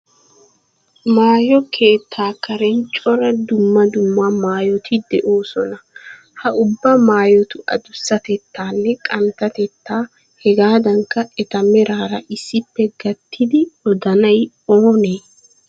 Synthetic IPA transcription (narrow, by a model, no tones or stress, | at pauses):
maːjɔkʰeːt̪ʰːaːkɐɾɛnt͡ʃʼɔɾɐd̪ʊmːɐd̪ʊmːɐmaːjɔt̪ʰɪd̪ɛʔoːsɔnɐ | hɐʔʊbːɐmaːjɔt̪ʊʔɐ̰d̪ʊsːɐt̪ɛt̪ːaːnːɛkʼɐnt̪ɐt̪ɛt̪ːaː | hɛɡaːd̪ɐŋkːɐɛt̪ɐmɛɾʔaːɾɐʔɪsːɪpːɛɡɐt̪ːɪd̪ɪɔd̪ɐnɐj | oːneː